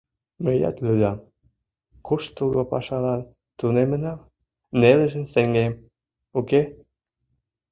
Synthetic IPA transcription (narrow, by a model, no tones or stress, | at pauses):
məjɑ̰t̪lyd̪ɑm | kuʃt̪uɣopɑ̰ʃɑlɑn | t̪unemə̆nɑm | nelĕʒə̆msĕŋɡem | uke